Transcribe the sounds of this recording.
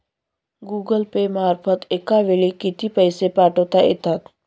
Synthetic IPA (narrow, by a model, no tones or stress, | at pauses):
ɡuːɡəlpemaːɾfʰət̪ekaʋeɭikɪt̪ipəɪsepaːʈoːt̪aʔḛt̪at̪